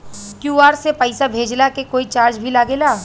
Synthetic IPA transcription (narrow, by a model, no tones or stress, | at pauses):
kjuːaːɾsepəɪsabʱeːd͡ʒlakekoːit͡ʃaːɾd͡ʒbʱilaːɡeːlaː